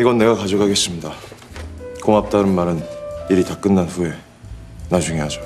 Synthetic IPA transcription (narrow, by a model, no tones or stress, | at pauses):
iɡʌnːe̞ɡakad͡ʑokʰaɡe̞s͈ɯmɲida | koŋap̚t͈aɾɯnmaɾɯniɾitak͈ɯnːanɸue̞ | nad͡ʑuŋeɦad͡ʑo